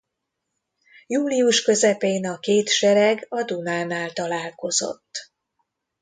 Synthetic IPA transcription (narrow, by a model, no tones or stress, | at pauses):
juːliuʃkø̞zɛpeːnɒkeːt̪ʃɛɾɛɡɒd̪unaːnaːlt̪ɒlaːlko̞zo̞̰t̪ː